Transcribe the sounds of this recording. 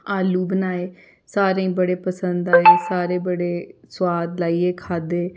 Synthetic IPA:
aːluːbənaːeː | saːɾẽːbəɽeːpəsənd̪aːeːsaːɾeːbəɽeːswaːd̪laːiːeːkʰaːd̪eː

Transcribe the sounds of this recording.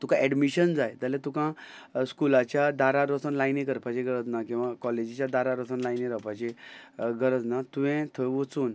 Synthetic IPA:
t̪ũkãɛɖmiɕənd͡zajt̪əlẽt̪ukã | skulat͡ɕjad̪aɾaɾosənlajnikəɾpat͡ɕeɡəɾəd͡znakĩw̃ʋakɔled͡ʑit͡ɕjad̪aɾaɾɔsənlajniɾəpat͡ɕeɡəɾəd͡znat̪ũʋɛ̃t̪ʰəʋət͡suːn

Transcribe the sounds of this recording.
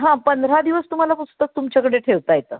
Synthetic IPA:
ɦãpənd̪ɾad̪iʋəst̪um̤alapusu̥t̪ək̚t̪umt͡ɕjakəɽeʈʰeʋt̪ajet̪ə̰ː

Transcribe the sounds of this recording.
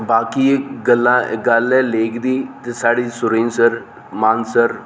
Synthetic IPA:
baːkiːɡəlːã̰ːɡəlɛːleːkʰd̪iːt̪esaːɽiːsʊɾeːnsəɾ | maːnsəɾ

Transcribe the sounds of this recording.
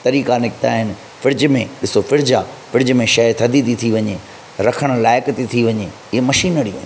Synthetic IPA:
t̪ɐɾiːkanɪkɪt̪aːɦɪnɪ̆ | fɪɾɪd͡ʑmẽɗɪsofɪɾd͡ʑafɪɾɪd͡ʑmẽʃɐt̪ʰɐd̪ʱit̪it̪ʰiʋɐɲe | ɾɐkʰəɽ̃laːɪkt̪it̪ʰiʋɐɲe | ɪɦemɐʃiːnəɽiɐ̰ɦ

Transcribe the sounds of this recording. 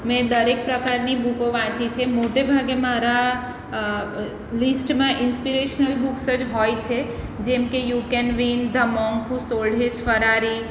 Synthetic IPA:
mẽd̪əɾek̚pɾəkaɾnibukoʋãt͡ʃit͡ʃʰemoʈebʱaɡemaɾa | lisʈmãʔinspiɾeʃnəlbuksəd͡ʒɦɔjt͡ʃʰe | d͡ʒemkejukenʋind̪ʱəmɔŋɡkʰũsolɽʱesfəɾaɾi

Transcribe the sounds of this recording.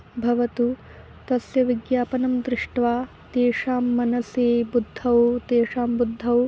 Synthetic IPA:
bʱɐʋɐt̪u | t̪ɐsjɐʋiɡjaːpɐnɐmd̪ɾɪʂʈʋaː | t̪eːʂaːmːɐnɐseːbud̪ʱːɐwt̪eːʂaːmbud̪ʱːɐw

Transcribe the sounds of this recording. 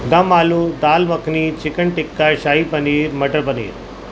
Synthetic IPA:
d̪ɐmaːlud̪aːlʋəkʰnit͡ʃɪkəɳʈɪkːaʃaːɦipɐniːɾmɐʈəɾpənḭːɾ

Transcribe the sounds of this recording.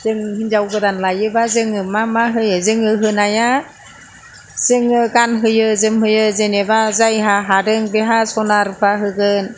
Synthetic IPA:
zɯŋhinzawɡɯdanlajɯbazɯŋɯmamaɦɯjɯzɯŋɯɦɯnaja | z̥ɯŋɯɡanɦɯjɯzɯmɦɯjɯzenebazajɦaɦadɯŋbeɦasɔnaɾpʰaɦɯɡɯn

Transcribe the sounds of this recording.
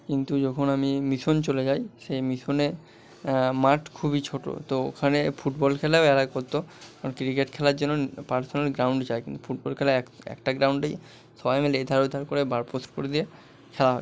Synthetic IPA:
kint̪ud͡ʑɔkʰonamimiʃont͡ɕoled͡ʑajʃemiʃone | maʈkʰubit͡ɕʰoʈo̰t̪oo̰kʰanefuʈbɔlkʰɛlaoɛlakoɾt̪oakɾikeʈkʰɛlaɾd͡ʑonːopaɾsonalɡɾawɳɖt͡ɕaekint̪u̥fʰuʈ̚bɔlkʰɛlaekɛ̰kʈaɡɾawɳɖej | ʃɔbajmeleed̪ʱaɾud̪ʱːaɾkoɾebaɾposʈkoɾed̪ie | kʰɛlaɦɔe

